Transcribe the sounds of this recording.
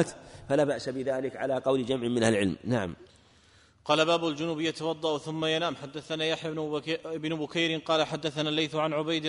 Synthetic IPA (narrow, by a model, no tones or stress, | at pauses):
t̪falaːbaʔsabɪðaːlɪkʕa̰laːqɑwld͡ʒamʕɪmɪnhalʕɪ̰lmnaʕa̰m | qɑːlabaːbʊld͡ʒʊnuːbjat̪awɑd̪ˤːɑʔθʊmːajanaːmħad̪ːaθanaːjaħjaɪbnʊbʊkajɾɪqɑːlaħad̪ːaθanaːlːajθʕanʕʊbajd̪